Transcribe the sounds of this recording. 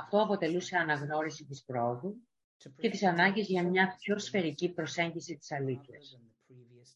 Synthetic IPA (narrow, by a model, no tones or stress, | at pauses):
ɐft̪o̞ɐpo̞t̪e̞luse̞ɐnɐɣno̞ɾisit̪ispɾooðu | ce̞t̪isɐnɐɲɟizʝɐmɲɐpço̞sfe̞ɾicipɾo̞se̞ɲɟisit̪i̥sɐliθçɐs